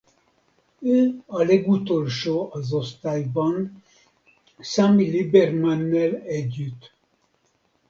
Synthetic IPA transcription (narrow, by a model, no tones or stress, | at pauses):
øːɒlɛɡut̪olʃoːʔɒzost̪aːjbɒn | saːmilibɛrmanːelɛɟːyt̪